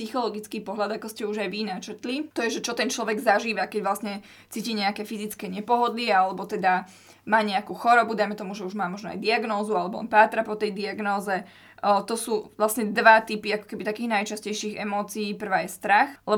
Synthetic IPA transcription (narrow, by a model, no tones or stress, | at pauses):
sixɔlɔɡit͡skiːpɔɦlʎad̪akɔscɛuʒajʋinat͡ʃɛt̪lit̪ɔjɛʒɛt͡ʃɔt̪ɛnt͡ʃlɔʋɛɡzaʒiːʋakɛɟʋlasɲɛ | t͡siːciːɲɛakɛfizit͡skɛɲɛpɔɦɔd̪liɛalɛbɔt̪ɛd̪a | maːɲɛakuːxɔɾɔbud̪ajmɛt̪ɔmuʒɛuʒmaːmɔʒnɔa̰jd̪iaɡnɔːzualɛbɔɔ̰npaːt̪ɾapɔt̪ɛjd̪iaɡnɔːzɛ | t̪ɔsuːʋlasɲɛd̪ʋat̪ipiakɔ̥kɛbit̪akiːɣnajt͡ʃascɛjʃiːɣɛ̰mɔːt͡siːpr̩ʋaːjɛst̪ɾaxlɛ